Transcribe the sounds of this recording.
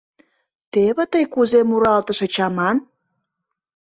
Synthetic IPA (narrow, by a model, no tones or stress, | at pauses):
t̪eβĕt̪əjkuzemuɾɑlt̪əʃĕt͡ɕɑmɑn